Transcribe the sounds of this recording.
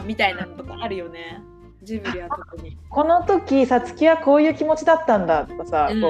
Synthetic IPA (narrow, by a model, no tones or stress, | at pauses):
mʲit̪ainanot̪okaːɾɯ̟jo̞ne | ɨbɯɾʲiβaokɯɲiko̞no̞t̪o̞kʲisat͡sɨ̥kʲiβako̞ːjɯ̟ːkʲimo̞t͡ɕid̪at̪ːãnd̪at̪okasakoː